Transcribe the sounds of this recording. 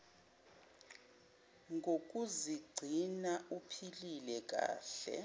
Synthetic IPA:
ŋʱok̬ʼuziɡ͡ǀʱinaupʰililɛk̬ʼa̰ːɬɛ̰

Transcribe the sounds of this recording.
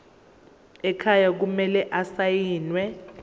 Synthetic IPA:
ɛkʰajak̬umɛlɛʔasajiːnwɛ

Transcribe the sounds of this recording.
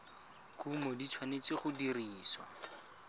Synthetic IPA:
kumɔdit͡ʃʰwanet͡sɪχʊdiriːswa̰

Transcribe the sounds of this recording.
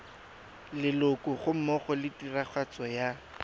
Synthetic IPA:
lɪlʊkʊχʊm̩mɔχɔlɪtiraχʰwat͡sʼɔja

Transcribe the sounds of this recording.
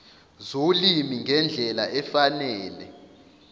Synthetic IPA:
zolimiŋʱɛnd͡ɮʱɛlaʔɛfanɛːlɛ

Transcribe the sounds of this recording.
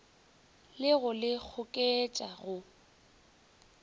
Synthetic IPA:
lɪɣʊlɪk͡xʰʊkʼet͡ʃʼaɣʊ

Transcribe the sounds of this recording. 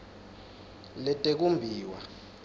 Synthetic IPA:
lɛtʼek̬umbʱiːwa̰

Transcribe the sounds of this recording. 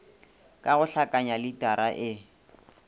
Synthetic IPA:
kʼaɣʊɬakʼaɲalɪtʼaɾaʔɪ

